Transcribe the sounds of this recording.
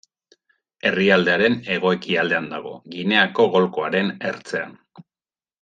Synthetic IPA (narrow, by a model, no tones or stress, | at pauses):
e̞riald̪e̞aɾe̞ne̞ɣ̞o̞e̞kiald̪e̞and̪aɣ̞o̞̰ɣine̞ako̞ɣo̞lko̞aɾe̞ne̞ɾt͡se̞a̰n